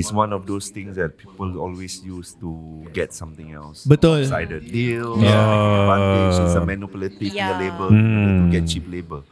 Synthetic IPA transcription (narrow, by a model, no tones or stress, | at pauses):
iswãnɔfdost̪ɪ̃ŋsdɛt̚pʰipəlɔlwesjustuɡɛtsãmt̪ɪ̃ŋɛ̰lsbət̪ulsaɪdət̚diloãsəmɛnupələt̪ituəlebə̃uɡɛt̚t͡ʃip̚lebə